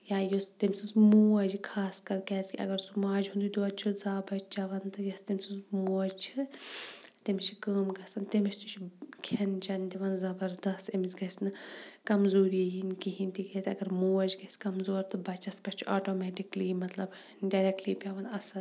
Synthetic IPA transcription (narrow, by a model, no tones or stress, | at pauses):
jaːjust̪imʲsunsmuːɐd͡ʒikʰaːskɐɾkʲɛsʲkʲiɐ̰ɡɐɾsumaːd͡ʒɦũnd̪ud̪uɐd̪̚t͡ʃʰuzaːbɐd͡ʒt͡ʃɐʋɐnt̪ɨjɐst̪imʲsɨnzmuːɐd͡ʒt͡ʃʰi | t̪imiʃʰi̥kəːmɡɐsɐnt̪imiʃt̪ut͡ʃʰikʰɐnt͡ʃɐnd̪iʋɐnzɐbɐɾd̪ɐst̪ɐmisɡɐsnɨkɐmzoːɾijinkiɦinʲt̪iɡɐt̪ɐ̰ɡɐɾmuːɐd͡ʒɡɐskɐmzoːɾt̪ɨbɐt͡ʃɐst̪̚pɐʃʲt͡ʃʰuaːʈoːmɛːʈiklimɐt̪lɐb | ɖɐɾek̚ʈliːpʲɐʋɐnɐsɐn